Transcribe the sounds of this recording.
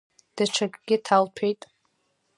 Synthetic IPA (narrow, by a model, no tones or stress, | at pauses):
d̥aʈ͡ʂʷʰakʼɡʲɪtʰalpʰejtʼ